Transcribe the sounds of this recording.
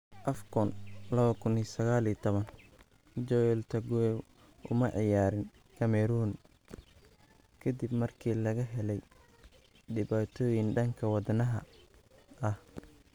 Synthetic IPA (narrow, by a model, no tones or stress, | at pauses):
ʔɐfkʰɔnlɐβɐkʰʊniːsɐɣaːliːt̪ʰɔβɐn | d͡ʒɔɛlt̪ʰɐɡʊɛ | ʊmɐʕɪjaːɾɪn | kʰɐmɛɾun | kʰɐd̪ɪbmɐrkʰiːlɐɣɐɦɛlɛj | ɖɪβaːt̪ʰɔːjɪnɖɐŋkʰɐwɑd̪nɐɦɐ̰ | ʔɐh